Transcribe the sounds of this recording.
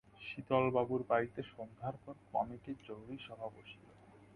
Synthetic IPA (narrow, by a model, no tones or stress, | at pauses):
ʃit̪ɔlbabuɾbait̪eʃɔnd̪ʱaɾpɔɾkɔ̰miked͡ʑowɾiʃɔbʱaboʃilo